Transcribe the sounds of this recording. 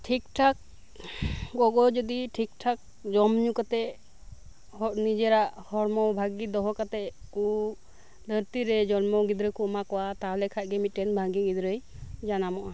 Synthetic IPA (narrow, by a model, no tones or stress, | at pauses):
ʈʰikʈʰak̚ | ɡɔɡɔd͡ʒɔd̪iʈʰik̚ʈʰak̚ | d͡ʒɔmɲukat̪ɛ | hɔt̚nid͡ʒɛɾaʔhɔɽmɔbʱaɡid̪ɔɦɔkat̪ɛku | d̪əɾt̪iɾɛd͡ʒɔnmɔɡid̪ɾəkuɔmakɔwat̪aɦlɛkʰac̚ˀɡɛmit̪̚ːɛnbʱaɡiɡid̪ɾəjd͡ʒanamɔʔa